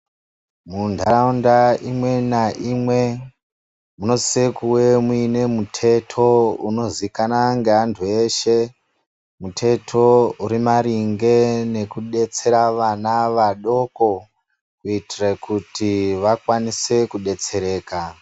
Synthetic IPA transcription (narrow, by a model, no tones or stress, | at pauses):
mundʱaɾaundaimwe̞naʔiːmwe̞ | muno̞sekuwe̞muine̞mutʰe̞tʰo̞uno̞zikanaŋɡeantʰue̞ːʃe̞ | mutʰe̞tʰo̞uɾimaɾiŋɡe̞ne̞kuɗe̞t͡se̞ɾaʋanaʋaɗo̞ko̞ | kuitirekutiʋakwanise̞kuɗe̞t͡se̞ɾe̞ːka